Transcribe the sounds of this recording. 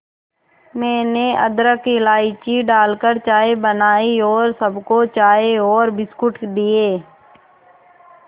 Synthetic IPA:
mɛ̃ːneʔəd̪ɾəkelaːɪt͡ʃiɖaːlkəɾt͡ʃaːebənaːiɔːɾsəbkot͡ʃaːeɔːɾbɪskʊʈd̪iːeː

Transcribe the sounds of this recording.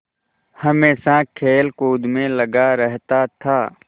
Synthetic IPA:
hɐmeːsakʰeːlkuːd̪mẽlɐɡaɾɛɦt̪at̪ʰaː

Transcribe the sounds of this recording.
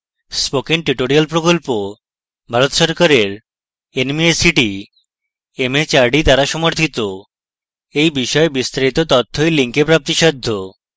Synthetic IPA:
spokiŋʈɾiʈoɾialpɾokolpo | bʱaɾot̪ʃɔɾkaɾeɾ | enmiesiʈi | emet͡ɕaɾɖit̪aɾaʃɔmoɾt̪ʰit̪o | ejbiʃɔebist̪aɾit̪ot̪ɔt̪ʰːoeliŋkepɾap̚t̪iʃɔd̪ʱːo

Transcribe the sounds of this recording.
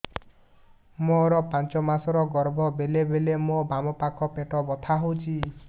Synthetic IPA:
moɾɔpãnt͡ʃɔmasɔɾɔɡɔɾbʱɔbelebelemobamɔpakʰɔpeʈɔbɔt̪ʰaɦowt͡ʃʰi

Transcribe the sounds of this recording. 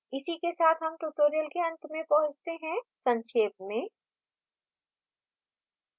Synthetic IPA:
ɪsikesaːt̪ʰɦɐmʈuʈoːɾijəlkeɐ̃nt̪mẽpɐɦʊ̃t͡ʃt̪eɦɛ̃sɐ̃nʃeːp̚mẽː

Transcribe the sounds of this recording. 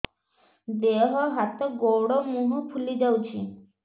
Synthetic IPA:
d̪eɦəɦat̪əɡowɽɔmuɦupʰulid͡zawt͡ɕi

